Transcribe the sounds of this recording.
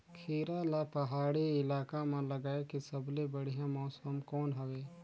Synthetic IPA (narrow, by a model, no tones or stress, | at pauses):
kʰiːɾalapɐɦaːɽiɪlaːkamãlɐɡaːekisɐblebɐɽ̤ijãmɔːsəmkɔːnɦɐweː